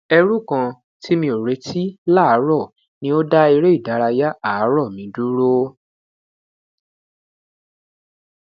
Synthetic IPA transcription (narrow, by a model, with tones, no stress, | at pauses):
ɛ˧ɾu˦˨kã˧ | tʰi˦mĩ˧o˨ɾe˨˦tʰi˦la˦˨˦ɾɔ˦˨ | nĩ˧˦o˦da˦i˧ɾe˦i˦˨da˨˦ɾa˧ja˦a˦˨˦ɾɔ˦˨mĩ˨˦du˦ɾo˦